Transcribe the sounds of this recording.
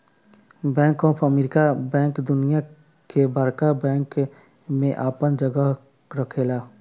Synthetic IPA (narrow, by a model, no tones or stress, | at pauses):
bɛ̃ːŋkɔːpʰəmeːɾɪkabɛ̃ːŋkd̪ʊnija | kebaːɾkabɛ̃ːŋk | mẽʔaːpənd͡ʒəɡə | ɾəkʰelaː